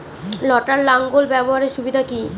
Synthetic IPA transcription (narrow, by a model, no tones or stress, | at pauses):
lɔʈaɾlaŋɡolbɛboɦaɾeɾʃubid̪ʱaki